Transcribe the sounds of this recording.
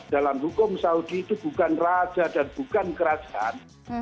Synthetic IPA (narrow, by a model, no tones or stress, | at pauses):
d̥alamɦukʊmsaud̥iːt̪ub̥ukanrḁd͡ʒ̥adanb̥ukankəɾad̥d͡ʒ̥aʔan